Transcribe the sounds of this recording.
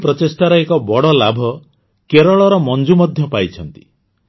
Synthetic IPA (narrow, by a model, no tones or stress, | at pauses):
pɾɔtesʈ̪aɾɔekɔbɔɽɔlabʱɔ | keɾɔɭɔɾɔmɔnd͡ʒumɔd̪ʱjɔpajt͡ʃʰɔnt̪i̥